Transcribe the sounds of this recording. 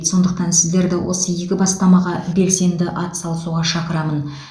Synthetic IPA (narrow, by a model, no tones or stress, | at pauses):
t̪so̞nd̪əqt̪ɑnsɪzd̪e̞ɾd̪ɪwʔo̞̰səje̞kʲɪbɑst̪ɑmɑʁɑbe̞lse̞nd̪ɪʔɑt̪sɑlˠəsuʁɑʃɑqəɾɑmən